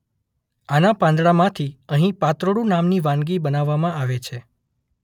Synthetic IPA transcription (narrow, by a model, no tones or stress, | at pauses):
anapãnd̪ɽamãt̪ʰiəɦĩpat̪ɾoɽũnamniʋãnɡibənaʋːamãaʋet͡ʃʰe